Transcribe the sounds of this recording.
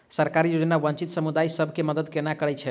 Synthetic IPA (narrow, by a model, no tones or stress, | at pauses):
səɾkaɾijod͡ʒnabənt͡ʃit̪səmud̪ajsəbʱkeməd̪əd̪kenakəɾɛt͡ʃʰɛ